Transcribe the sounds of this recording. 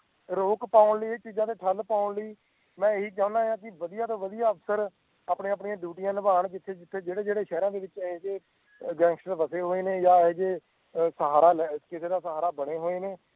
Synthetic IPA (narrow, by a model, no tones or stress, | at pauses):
ɾoːkpaːʊɳləiːeːt͡ʃiːd͡ʒãːt̪̬eːʈʰəlpaːʊɳləiː | mɛ̃ːɦiːt͡ʃãːʊ̃nd̪aːɦjãːk̬ɪʋəd̪ijaːt̪õːʋəd̪ijaːəfsəɾ | aːpɳeːəpɳijãːɖ̪juːʈɪjãːləbaːɳd͡ʒɪt̪ʰːeːd͡ʒɪt̪ʰːeːd͡ʒeːɽeːd͡ʒeːɽeːʃɛːɾãːd̪eːʋɪt͡ʃɦeːd͡ʒeː | ɡɛ̃ːŋksəɾʋəseːɦoːeːneːjaːd͡ʒeː | səɦaːɾaːlːɪskɪseːd̪aːsəɦaːɾaːbəɽeːɦoːeːneː